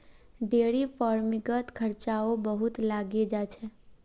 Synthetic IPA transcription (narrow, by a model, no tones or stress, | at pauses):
ɖeɽipʰɔɾmiɡət̪kʰəɾt͡ʃaobəɦut̪laɡed͡ʒat͡ʃʰɛ